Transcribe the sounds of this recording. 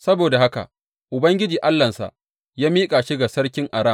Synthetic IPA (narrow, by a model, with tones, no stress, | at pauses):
sɐ˦boː˨da˨ha˦ka̰˨ | ʔʊ˨bɐ˦ŋɡʲɪ˦d͡ʒiː˨ʔa˦lːɐ˨nsa̰˨ʔ | jaː˦miː˦kʼaː˨ʃɪ˦ɡa˨sɐ˦rkʲɪ˦ŋʔa˨ɽaː˦˨